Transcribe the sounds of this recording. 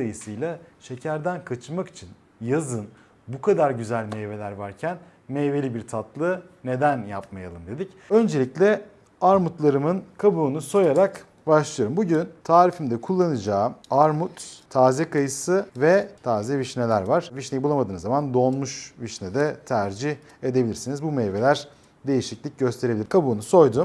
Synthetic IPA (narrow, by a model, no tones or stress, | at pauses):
ajɯsɯjlˠaʃe̞cʰæɾd̪ænkʰat͡ʃʰmaki̥t͡ʃʰin | jazɯn | bukʰad̪aɾɟyzælʲmeve̞lʲæɾvaɾcʰæn | meve̞lʲibiɾt̪ʰat̪lˠɯ | ne̞d̪ænjap̚majalˠɯmd̪e̞d̪ic | ø̞nd͡ʒe̞lʲiclʲɛ | aɾmut̪lˠaɾɯmɯnkʰabuːnuso̞jaɾak | baʃlˠɯjoɾɯmbuɟynt̪ʰaːɾifimd̪ɛkʰulˠːanɯd͡ʒaːaɾmut̪ʰːaːzɛkʰajɯsɯvɛt̪ʰaːzɛviʃne̞lʲæɾvaɾ̥viʃnejibulˠamad̪ɯːnɯzamand̪o̞nmuʃviʃnɛd̪ɛt̪ʰæɾd͡ʒi | e̞d̪ebilʲiɾsinizbumeve̞lʲæɾ̥ | d̪e̞jiʃiclʲic̚ɟø̞st̪ʰe̞ɾeilʲɾkʰabuːnuso̞jd̪u